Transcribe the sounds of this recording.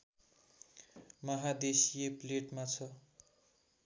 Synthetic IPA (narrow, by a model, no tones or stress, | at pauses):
mʌɦad̪esijepleʈmat͡sʰʌ